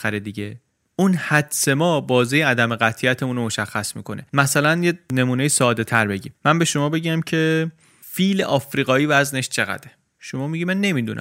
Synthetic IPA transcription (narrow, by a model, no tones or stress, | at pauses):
æɾed̪iɟe | unhæd̪se̞mɒːbɒːzejeæd̪æme̞ɣæt̪ʰiæt̪ʰemuːnɾomo̞ʃæxːæsmḭːkʰo̞nʔemæsælænjene̞muːne̞jisɒːd̪e̞t̪ʰæɾbe̞ɟimmːænbe̞ʃo̞mɒːbe̞ɟæmcʰe̞ | fiːlḛʔɒːfɾiːɣɒːiːvæzne̞ʃt͡ʃʰe̞ɣæ̰d̪e | ʃo̞mɒːmiɟiːmænːe̞mid̪unʔæ̰